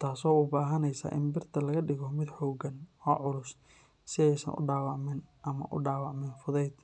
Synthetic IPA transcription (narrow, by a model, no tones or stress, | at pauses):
t̪ʰaːsɔːʊbaːɦɐnɛjsa̰ːʔɪ̰mbɪrt̪ʰɐlɐɣɐɖɪɣɔmɪd̪ħɔːɡɐnɔːʕʊlʊs | sɪɛjsɐ̰nʔʊ̰ɖaːwɑʕmɪnʔɐmɐ̰ʔʊ̰ɖaːwɑʕmɪnfʊðɛjd̪